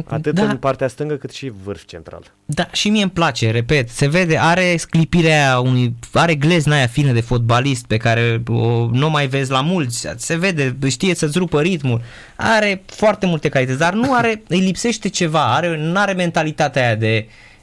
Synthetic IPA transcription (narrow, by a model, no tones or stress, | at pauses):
a̰t̪ɨtd̪aɨnpart̪east̪ɨŋɡəkɨt̪ʃivɨrft͡ʃent̪ɾa̰l | d̪aʃimijemplat͡ʃe̞ɾe̞pe̞t̪se̞ve̞d̪e̞ʔaɾe̞sklipiɾeajaunujaɾe̞ɡle̞znajafinəd̪e̞fo̞t̪̚balist̪̚pe̞kaɾe̞onomajve̞zʲlamult̪sʲse̞ve̞d̪e̞ʃt̪ije̞sət̪sʲɾupəɾit̪mul | a̰ɾe̞foart̪e̞mult̪e̞kalit̪ət̪sʲd̪arnuaɾe̞ɨjlipse̞ʃt̪e̞t͡ʃe̞vaaɾe̞nuaɾe̞me̞nt̪alit̪at̪eajad̪e̞